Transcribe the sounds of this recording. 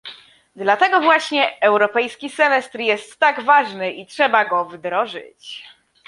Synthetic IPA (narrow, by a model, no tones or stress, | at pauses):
d̪lat̪ɛɡɔvwaɕɲɛɛwɾɔpɛjskʲisɛmɛst̪ɾjɛst̪ːaɡvaʐnɘʔitʂɛbaɡɔvd̪ɾɔʐɘ̰t͡ɕ